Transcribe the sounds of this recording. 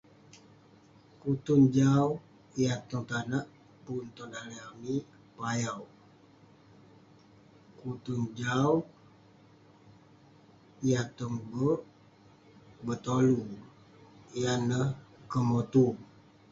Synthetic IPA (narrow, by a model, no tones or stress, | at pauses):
kut̪und͡ʒaw | ijat̪uŋt̪anaʔ | punt̪ɔnaliami | pajaw | kut̪und͡ʒaw | ijat̪ɔŋbəʔ | bət̪olu | ijanəhkəmot̪u